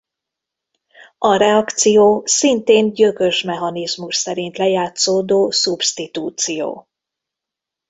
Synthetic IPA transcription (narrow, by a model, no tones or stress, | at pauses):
ɒɾɛɒkt̪sijoːsint̪eːnɟøkø̞ʃmɛɦɒnizmuʃsɛɾint̪lɛjaːt̪soːd̪oːsubst̪it̪uːt̪sijo̰ː